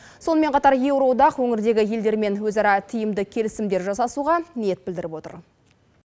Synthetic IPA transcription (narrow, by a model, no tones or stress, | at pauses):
so̞nəme̞ɴqʰɑt̪ɑɾje̞wɾo̞d̪ɑqwɵŋɪɾd̪e̞ɡʲɪje̞ld̪e̞ɾme̞nwɵzɑɾɑt̪ʰɪjɪmd̪ɪkʲʰe̞lɪsɪmd̪e̞ɾʒɑsɑsuʁɑnije̞t̪̚bɪld̪ɪɾɪpwo̞t̪ə̰ɾ